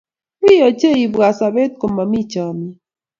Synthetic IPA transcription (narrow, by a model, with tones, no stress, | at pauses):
i˦jɔ˨t͡ʃe˦i˨ba˨sa˨be˦t̪̚ko˨ma˨mi˦t͡ʃɔ˨mi˨